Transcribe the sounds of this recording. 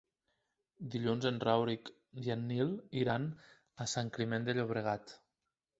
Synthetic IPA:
d̪iʎunzenrawɾik | d̪janːilˠiɾan | asaŋkɾimend̪eʎoβ̞ɾeɣat̪

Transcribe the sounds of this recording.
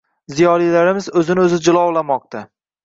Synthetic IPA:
zijɒlijlaɾɪmɪzɵzɪnɪɵzɪd͡ʒɪlˠɒwlamɒq̚t̪ʰa

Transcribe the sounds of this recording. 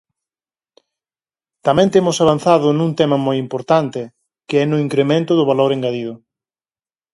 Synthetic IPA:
t̪amɛ̃nt̪emʊsaβ̞anθaðʊnũŋt̪ɛmɐmojimpoɾt̪ant̪ɪ | kɪɛnʊiŋkɾemẽnt̪ʊðʊβaloɾeŋɡaðið̞ʊ

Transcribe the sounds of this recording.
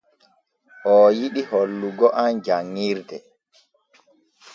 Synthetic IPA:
ʔɔːjiɗiholːuɡɔʔand͡ʒaŋːiːɾdɛ

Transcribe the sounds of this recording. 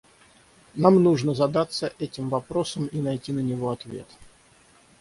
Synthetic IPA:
namnuʐnəzɐd̪at̪sːəʔɛtʲɪmvɐpɾosəminɐjtʲinənʲɪvo̞ɐt̪vʲe̞̰t̪

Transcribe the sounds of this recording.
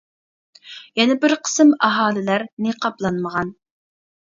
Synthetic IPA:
jɛnɛbɪɾqʰə̥sɨmɑɦɑːlˠɪlæɾneqʰɑplˠɑnməʁɑn

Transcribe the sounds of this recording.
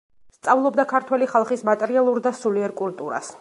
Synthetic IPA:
st̪sʼavlˠɔbd̪akʰaɾt̪ʰwɛliχalˠχismat̪ʼɛɾialˠuɾd̪asuliɛɾkʼult̪ʼuɾa̰s

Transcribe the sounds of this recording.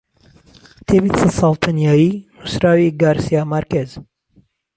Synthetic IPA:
t̪ʰebit̪sɛt̪sɑːlˠt̪ʰanjaːjinusɾaːwiɡaːɾsijaːmaɾkez

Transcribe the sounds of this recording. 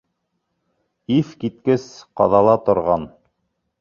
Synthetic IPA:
iθkit̪̚kɘsqɑ̰ðɑlˠɑt̪ŏɾʁɑn

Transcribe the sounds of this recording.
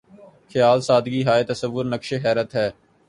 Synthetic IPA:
xʰɪjaːlsaːd̪ɡiːɦaːet̪əsəʋːʊɾnəkʃeɦɛːɾət̪ɦɛː

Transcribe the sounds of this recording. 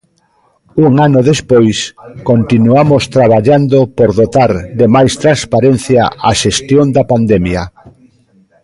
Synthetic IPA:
uŋanʊðespojskont̪inuamost̪ɾaβaʎand̪opoɾðot̪aɾðemajst̪ɾãnspaɾenθjaʔaʃest̪jond̪ɐpand̪ɛmjɐ

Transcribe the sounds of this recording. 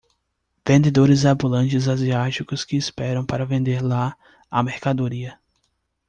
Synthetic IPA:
vẽnd̪ed̪oɾɪzabulɐ̃t͡ʃɪzaziat͡ʃikʊskɪːspɛɾɐ̃w̃paɾɐvẽnd̪eɾla | ɐmeɾkad̪oɾiɐ

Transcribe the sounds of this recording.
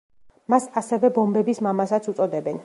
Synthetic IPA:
masasɛvɛbɔmbɛbismamasat̪sʰut̪sʼɔd̪ɛbɛn

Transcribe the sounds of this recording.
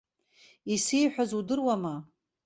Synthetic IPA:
isijħʷᶣazudɨrwama

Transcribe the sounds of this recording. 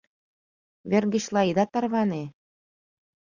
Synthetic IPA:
βʲĕrɡɘ̆ɕlˠɑid̪ɑt̪ɑrβɑne

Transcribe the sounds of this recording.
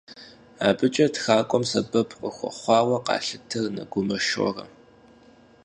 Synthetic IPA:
aːbɨt͡ʃʼɐtxaːkʷʼɔmsɐbɐpʰqʷʼʊxʷɔ̰χʷɑːwɐqɑ̰ːɬɨtʰɨrnɐ̰ɡʷʊmɐʃɔ̰rɐ̰

